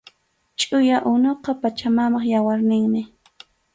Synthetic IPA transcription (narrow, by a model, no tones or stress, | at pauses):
t͡ʃʼʊjaʔʊnoqɑpat͡ʃamamɑχjawaɾnɪŋmɪ